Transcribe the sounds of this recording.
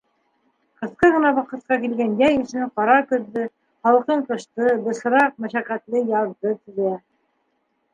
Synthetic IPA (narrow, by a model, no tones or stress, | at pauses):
qɤ̆θqɤʁɤ̆nɑβɑqɤ̆t̪̚qɑkilɡænjæjɘ̆ʃɘqɑɾɑkɵ̆ðːɘ | χɑlˠqɤɴqɤ̆ʃt̪ɤb̪ɤ̆sɤ̆ɾɑq̚mæʃæqæt̪lɘjɑɾðɤt̪ɵ̆zæ